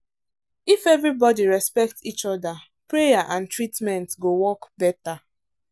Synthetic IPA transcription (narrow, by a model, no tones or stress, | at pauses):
ifɛvɹibɔdiɹɛspɛk̚tsit͡ʃɔda | pɹejaʔãntɹitmɛ̃ntɡowɔkbɛta